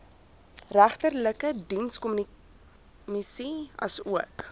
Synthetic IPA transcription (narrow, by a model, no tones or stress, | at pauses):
ræχtərləkədinskɔmni | misiɐ̰suək